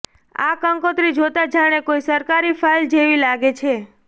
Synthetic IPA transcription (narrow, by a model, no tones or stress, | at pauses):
a̰kəŋkot̪ɾid͡ʒot̪ad͡ʒaɽ̃ekoisəɾkaɾifʰajld͡ʒeʋilaɡet͡ʃʰe